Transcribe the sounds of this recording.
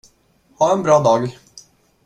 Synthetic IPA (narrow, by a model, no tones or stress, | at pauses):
hɑːɛnbɾɑːd̪ɑːɡ